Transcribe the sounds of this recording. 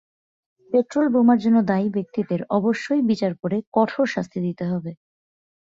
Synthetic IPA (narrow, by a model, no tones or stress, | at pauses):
peʈɾolbomaɾd͡ʑonːod̪ajbek̚t̪id̪eɾɔboʃːojbit͡ɕaɾpoɾekɔʈʰoɾʃast̪ʰid̪it̪eɦɔbe